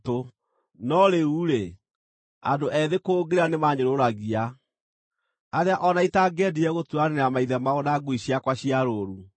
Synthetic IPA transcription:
to | nɔɾeuɾe | a̰ndoʔɛðekoːɡeɾanemaɲeɾoɾaɣia | aɾeaʔɔnaitaɡɛdiɛɣotuaneneamaiðɛmaonaɡwiɕiakwaɕiaɾoːɾu

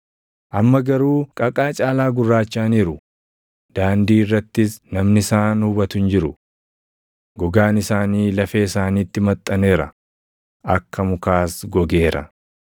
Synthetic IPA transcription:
ʔɐmːɐɡɐɾuːkʼɐkʼaːt͡ʃʼaːlaːɡʊrːaːt͡ʃːaːniːɾʊ | d̪̥aːnd̪iːɪrːɐt̪ːɪsnɐmnɪsaːnhʊbɐt̪ʊnd͡ʒɪɾʊ | ɡɔɡaːnɪsaːniːlɐfeːɪsaːniːt̪ːɪmɐt̪ʼːɐne̞ːɾɐ̰ | ʔɐkːɐmʊkaːsɡɔɡe̞ːɾɐ̰

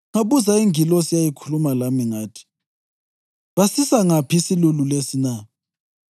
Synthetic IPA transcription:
ŋaβuzaiŋilɔsijajikʰulumalamiŋaːtʰi̥ | βasisaŋapʰiisilululesina

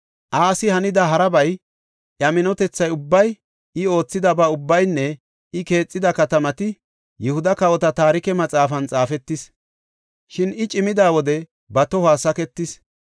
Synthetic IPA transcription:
ʔaːsɪhɐnɪd̪ɐɦɐɾɐbɐj | ʔjɐmɪnɔt̪ɛt͡sːɐjʊbːɐj | ɪo̞ːt͡sːɪd̪ɐbɐʊbːɐjnːɛ | ɪke̞ːt͡sʼːɪd̪ɐkɐt̪ɐmɐt̪ɪ | jɛhʊd̪ɐkɐwɔt̪ɐt̪aːɾɪkɛmɐt͡sʼaːfɐnt͡sʼaːfɛt̪ːɪs | ʃɪnɪt͡ʃʼɪmɪd̪aːwɔd̪ɛ | bɐt̪ɔhaːsɐkɛt̪ːɪs

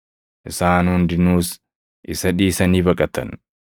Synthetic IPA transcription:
ʔɪsaːnhʊnd̪ɪnuːs | ʔɪsɐᶑiːsɐniːbɐkʼɐt̪ɐ̰n

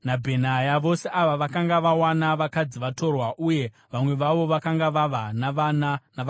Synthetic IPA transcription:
nabʱe̞najaʋo̞se̞ʔaʋaʋakaŋɡaʋawanaʋakad͡ziʋato̞rwaʔuje̞ | ʋamwe̞ʋaʋo̞ʋakaŋɡaʋaʋanaʋanana

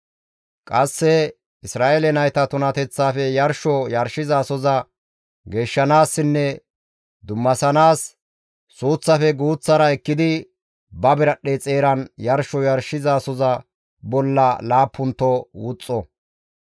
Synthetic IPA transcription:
kʼɐsːɛ | ɪsɾaːʔelɛnɐjt̪ɐt̪ʊnɐt̪ɛt͡sːaːfɛjɐɾʃɔjɐɾʃɪzaːsɔzɐ | ɡe̞ːʃːɐnaːsːɪnːɛ | d̪ʊmːɐsɐnaːsː | uːt͡sːɐfɛɡuːt͡sːɐɾɐɛkːɪd̪ɪ | bɐbɪɾɐɗːet͡sʼeːɾɐnjɐɾʃɔjɐɾʃɪzaːsɔzɐ | bɔlːɐlaːpːʊnt̪ːɔwʊt͡sʼːɔ

